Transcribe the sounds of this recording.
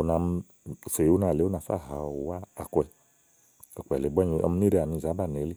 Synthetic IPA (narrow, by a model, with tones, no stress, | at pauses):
o˧˨na˧m˧˨ | se˨u˦na˧˨le˨˦o˦na˧˨fa̰˦˨ɦa˨wa˦a̰˨kʷɛ˧˨ | ɔ˨k͡pɛ̰˨le˨bɔ˦ɲ˧ɔ̰˧m̩˧ni˦ɾe˧a˨ni˧˨za˨˦ba˦˨n˨e˨˦le˦